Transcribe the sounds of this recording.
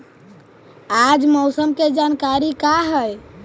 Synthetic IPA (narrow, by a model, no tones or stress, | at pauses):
ad͡ʒmɔwsəmked͡ʒankaɾikaɦəj